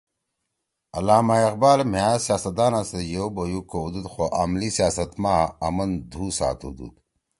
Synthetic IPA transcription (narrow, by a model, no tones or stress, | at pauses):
ɐlaːmaeqbaːlm̤jaːsijaːsɐt̪aːnasejowbojukoud̪ud̪xoʔa̰mlisijaːsɐt̪maːɐmɐnd̪ʱuːsa̰ːt̪ṵd̪ṵd̪